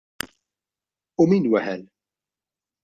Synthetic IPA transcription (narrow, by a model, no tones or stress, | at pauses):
ʊmiːnwɛħɛl